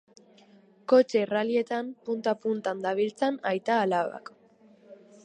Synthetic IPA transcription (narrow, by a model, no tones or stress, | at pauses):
ko̞t͡ʃe̞ralie̞t̪ampunt̪apunt̪and̪aβilt͡sanajt̪aːlaβa̰k